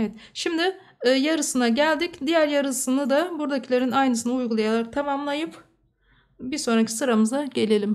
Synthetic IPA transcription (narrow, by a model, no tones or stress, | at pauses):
evɛt̪ʃimd̪ɪː | jaɾɯsɯnaɟælʲd̪icd̪ijæɾjaɾɯsɯnɯd̪abuɾd̪acʰilʲeɾinajnɯs̬ɯnaujɡulˠajalˠaɾɯt̪ʰamamlˠajɯp | biɾso̞nɾacʰi̥sɯɾamɯzaɟe̞lʲe̞lʲim